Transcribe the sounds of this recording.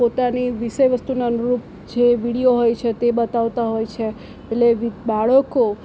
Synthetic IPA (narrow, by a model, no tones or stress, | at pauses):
pot̪aniʋiʃəjʋəst̪unaənuɾup | d͡ʒeʋiɽijoɦojt͡ʃʰet̪ebət̪aʋt̪aɦojt͡ʃʰe | eʈleʋibaɭəko